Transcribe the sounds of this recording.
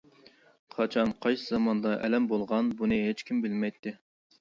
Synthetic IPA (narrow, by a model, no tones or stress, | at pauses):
qʰɑt͡ʃʰɑnqʰɑjsɨzɑmɑnd̪ɑʔɛ̰lɛmbolˠʁɑnbunɨɦet͡ʃkʲimbɪlmɛjt̪ʰːɪ